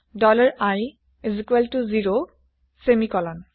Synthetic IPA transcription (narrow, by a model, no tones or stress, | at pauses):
dɔlaɹaj | zikwɛltuziɹo | semikɔlɔn